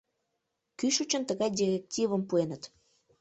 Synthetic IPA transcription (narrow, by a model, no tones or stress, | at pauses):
kyʃut͡ɕənt̪əɣɑjd̪ʲirʲek̚tʲivəmpuenət̪